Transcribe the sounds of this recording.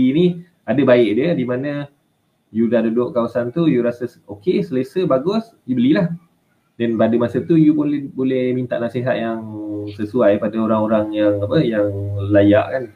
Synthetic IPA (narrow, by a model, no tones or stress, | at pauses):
ini | adəbaɪʔ̚diədimanə̃ | judahdudʊʔkawasant̪ujuɾasasokesəlesəbaɡʊs | dibəlilah | dɛnpadəmasət̪ujupʊnbolɛhmint̪a̰ʔnasiɦat̪̚jaŋsəsuajpadaoɾaŋoɾaŋjaŋapəjaŋlajaʔkan